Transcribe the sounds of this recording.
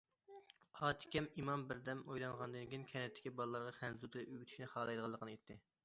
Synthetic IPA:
ɑːt̪ʰɪ̥kʲɛmimɑmbɪɾd̪ɛmojlˠɑŋʁɑnd̪ɨnkʲinkʲʰɛnɛt̪ʰːɪ̥kʲibɑlˠəlːˠɑɾʁɑχɛnzut̪ʰɨlɪʔøwyt̪ʰʃnɪχɑːlˠɑjd̪əʁɑlˠːəqʰənɨet̪ʰːɪ

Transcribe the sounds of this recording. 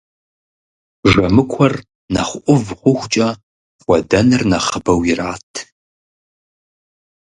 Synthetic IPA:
ʐɐmɨkʷʰɔr | nɐχʷʔʷʊvʁʷʊxʷt͡ʃʼɐ | χʷɔdɐnɨrnɐχəbɐwjiraːtʰ

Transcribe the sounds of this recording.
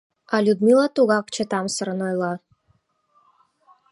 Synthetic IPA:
alʲud̪milˠat̪uɣakt͡ʃʰɛt̪amsəɾənojlˠa

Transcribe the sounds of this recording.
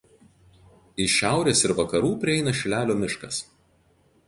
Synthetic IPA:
ɪʃʲæˑʊɾʲeːsɪɾʋɐkɐɾuːpʲɾʲɪɛɪnɐʃʲɪlʲæːlʲoːmʲɪʃkɐs

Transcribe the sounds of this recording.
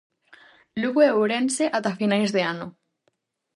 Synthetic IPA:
luɣweuɾenseʔat̪afinajzðeanʊ

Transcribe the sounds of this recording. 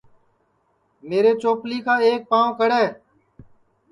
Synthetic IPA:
meːɾeːt͡ʃoːpliːkʰaːeːk̚pãːkəɽeː

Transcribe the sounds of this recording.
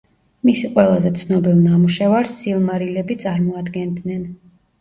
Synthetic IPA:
misqʼwɛlˠazɛt̪sʰnɔbilˠnamuʃɛvaɾsːilˠmaɾilɛbit̪sʼaɾmɔad̪ɡɛnd̪nɛn

